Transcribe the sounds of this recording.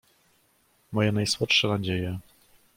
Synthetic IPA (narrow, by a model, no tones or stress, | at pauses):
mɔjɛnajswɔtʂɛnad͡ʑejɛ